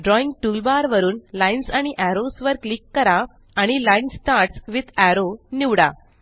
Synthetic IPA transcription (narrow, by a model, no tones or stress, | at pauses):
ɖɾɔĩŋɡ̚ʈuːlbaɾʋəɾuːnlãjnsaɽ̃iʔæɾosʋəɾklikːəɾa | aɽ̃ilãjnsːʈaɾʈsʋid̪æɾoniʋɽa̰